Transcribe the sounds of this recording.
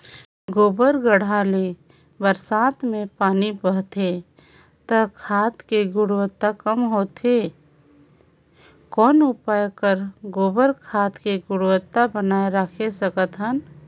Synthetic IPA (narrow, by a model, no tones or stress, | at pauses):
ɡoːbəɾɡəɽ̤aːle | bəɾsaːt̪mẽpaːnibəɦt̪e | t̪əkʰaːt̪keɡʊɽwət̪ːakəmɦoːt̪e | kɔːnʊpaːjkəɾɡoːbəɾkʰaːt̪keɡʊɽwət̪ːabənaːeɾakʰesəkət̪ɦən